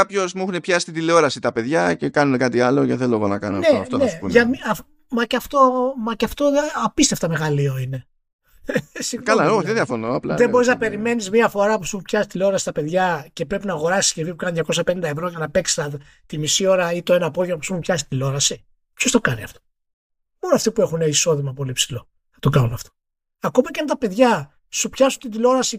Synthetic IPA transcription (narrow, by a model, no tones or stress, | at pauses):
kɐpço̞zmuxunepçɐsi̥t̪it̪ileo̞ɾɐsit̪ɐpe̞ðʝɐcekɐnunekɐt̪iɐlo̞ceθeloeɣonɐkɐ̰noneft̪onḛʝɐmiɐ | mɐceɐft̪o̞mɐcɐft̪oɐpist̪e̞ft̪ɐme̞ɣɐlio̞ine̞ | sikɐlɐoðeðjɐfonoɐplɐ̰ðe̞bo̞ɾiznɐpe̞ɾime̞nizmiɐfo̞ɾɐpusuupçɐsi̥t̪ileo̞ɾɐsi̥t̪ɐpe̞ðʝɐce̞pɾe̞pinɐːɣo̞ɾɐsi̥scevipukɐniðʝɐko̞sɐpenind̪ɐevɾo̞ʝɐnɐpe̞ksi̥st̪ɐ | t̪imisio̞ɾɐit̪oenɐpo̞ðʝomɐpusumupçɐsi̥t̪ilo̞ɾɐsi | pço̞st̪okɐniɐ̰ft̪o̥ | mo̞noɐft̪ipue̞xuneiso̞ðimɐpo̞lipsilo̞ | θɐt̪okɐnunɐft̪o̥ | ɐko̞mɐceɐnt̪ɐpe̞ðʝɐ | supçɐsunt̪id̪ilo̞ɾɐsi